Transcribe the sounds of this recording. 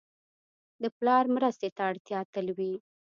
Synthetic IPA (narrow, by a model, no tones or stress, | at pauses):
d̪əplɑɾmɾəst̪et̪aaɽt̪jɑt̪əlwi